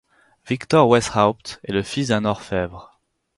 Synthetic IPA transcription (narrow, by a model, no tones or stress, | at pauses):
vikt̪ɔʁwɛsχawpt̪ɛləfisd̪ɛ̃nɔʁfɛvʁ